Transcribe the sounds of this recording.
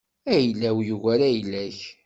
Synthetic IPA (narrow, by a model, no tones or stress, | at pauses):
æjlːæwjuɣæɾæjlæç